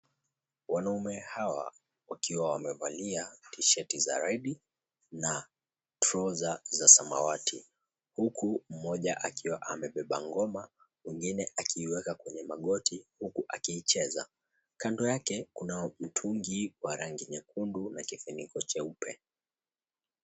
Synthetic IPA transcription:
wanaumɛhawa̰ | wakiwawamɛvaliatiʃɛtiza̰ɾaiɗi | na | tɾɔzazasama̰watʰḭ | hukʰum̩mɔʄaʔakʰiwaʔamɛɓɛɓa̰ŋɡɔma | miŋɡinɛʔakʰiːwɛkakwɛɲɛmaɠɔtʰihukuʔakiːt͡ʃɛza̰ | kandɔjakɛkunajɔm̩tʰuŋɡiwaɾaŋɡiɲɛkundunakifinikɔt͡ʃɛupʰɛ

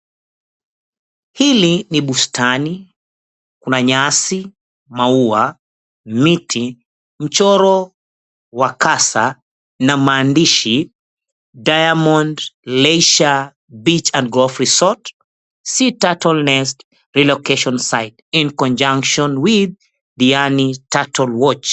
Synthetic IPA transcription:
hiliniɓustani | kunaɲasi | maua | mitʰi | m̩t͡ʃɔɾɔ | wakasa | namaːndiʃi | dajamɔ̃ndlɛjʃa | bit͡ʃãndɡɔlfɹisɔt | sitatɔlnɛst | ɹilɔkɛʃɔnsajtĩnkɔ̃nd͡ʒãŋkʃɔ̃nwið | dianitatʰɔlwɔt͡ʃ

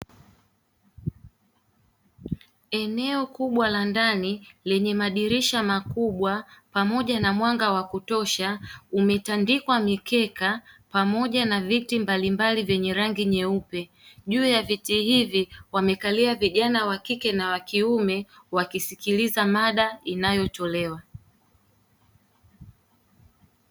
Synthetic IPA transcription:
ɛnɛɔkuɓwalandanilɛɲɛmaɗiɾiʃamakuɓwapamɔʄanamwaŋɡawakutɔʃaumɛtandikwamikɛkapamɔʄanavitimbalimbalivjɛɲɛɾaŋɡiɲɛupɛ | ʄuːjavitihiviwamɛkaliaviʄanawakikɛnawakiumɛwakisikilizamaɗainajɔtɔlɛwa

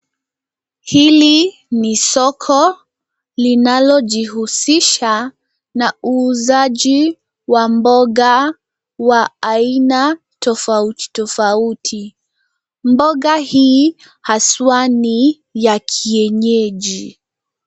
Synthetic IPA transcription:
hili | nisɔkʰɔ | linalɔʄihusiʃa | nauːzaʄi | wambɔɠa | waːina | tɔfauti̥tɔfautʰi | mbɔɠahiː | haswani | jakʰiɛɲɛʄi

